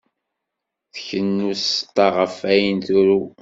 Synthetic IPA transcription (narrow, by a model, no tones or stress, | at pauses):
θəçənːust̪ːɑʁəfæjənθuɾu